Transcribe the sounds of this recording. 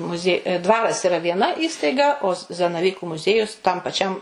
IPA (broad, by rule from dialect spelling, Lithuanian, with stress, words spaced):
mʊˈzʲiɛ ˈdʋɑːrɐs ɪˈrɐ ʋʲiɛˈnɐ ˈiːstɐɪɡɐ oː s zɐnɐˈʋʲiːkʊ mʊˈzʲiɛjʊs tɐm pɐˈt͡ʃʲɛm